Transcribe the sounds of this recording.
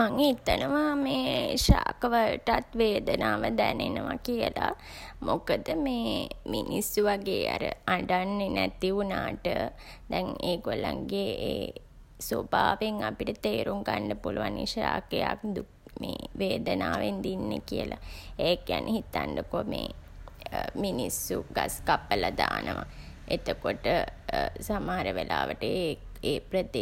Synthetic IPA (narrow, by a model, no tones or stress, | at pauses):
maŋhit̪ənəʋameːʃaːkəʋəlʈat̪ʋeːd̪ənaːʋəd̪ænenəʋakijəla | mokəd̪əmeːminisːuʋaɡeːaɾə̰aɳɖanːenæt̪iunaːʈəd̪ɛŋeːɡolaŋɡeeː | sobaːʋeŋapiʈət̪eːɾuŋkaɳɖəpuluʋanḭʃaːkejakd̪u | meːʋeːd̪ənaːʋend̪inːekiəlʔaekijanʔehit̪anɖəkomeː | minisːuɡaskapːəlad̪aːnəʋa | et̪əkoʈəsamaaɾəʋelʔaːʋəʈə | eːpɾəd̪e